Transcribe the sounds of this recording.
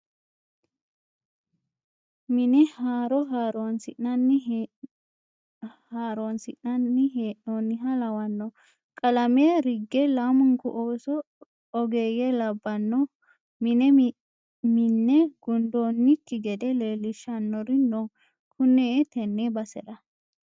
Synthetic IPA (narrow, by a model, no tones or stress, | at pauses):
mɪnɛhaːɾɔɦaːɾonsɪʔnɐnːɪ | haːɾonsɪʔnɐnːɪɦeːʔnonːɪɦɐlɐwɐnːɔ | kʼɐlɐmeːɾɪɡːɛlaːmʊŋkʊʔoːsɔ | ɔɡeːjɛlɐbːɐnːɔ | mɪnɛ | mɪnːɛɡ̥ʊnd̪oːnːɪkːɪɡɛd̪ɛleːlːɪʃɐnːɔɾɪnːɔ | kʰʊneːɛt̪ɛnːebɐsɛɗɐ